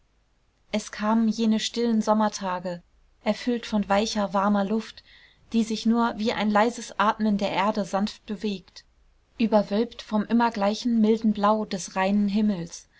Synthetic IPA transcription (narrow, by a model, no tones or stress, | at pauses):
ʔɛskʰaːmənjeːnəʃtɪlənzɔmɐtʰaːɡə | ʔɛɐfʏltfɔnvaɪçɐvaɐmɐlʊft | d̥iːzɪçnuːɐviːʔa̰ɪnlaɪzəsʔaːtməndeːɐʔeːɐdəzanft̚b̥əveːkt | ʔyːbɐvœlptfɔmʔɪmɐɡlaɪçn̩mɪldn̩blaʊdɛsʁaɪnənɦɪml̩s